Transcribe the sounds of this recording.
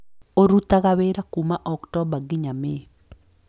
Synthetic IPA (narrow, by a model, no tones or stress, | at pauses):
oɾut̪aɣaweɾakumaʔɔktɔbaɡɪɲame